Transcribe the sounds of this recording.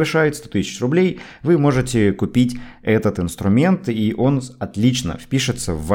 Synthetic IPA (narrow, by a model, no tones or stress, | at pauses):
vɨʂajɪt̪st̪ot̪ɨsʲɪ̥t͡ɕrʊblʲejvɨmo̞ʐɨtʲɪkʊpʲitʲɛt̪ət̪ɨnst̪ɾʊmʲe̞nt̪iʔo̞nɐt̪lʲit͡ɕnə̰fpʲiʂɨt̪səvːa